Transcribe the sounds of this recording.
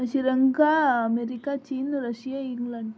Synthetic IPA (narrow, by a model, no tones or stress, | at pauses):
ɕiɾɐŋɡaɐmeɾikːaːt͡ʃiːnɾɐʂijaiŋɡlɐɳɖ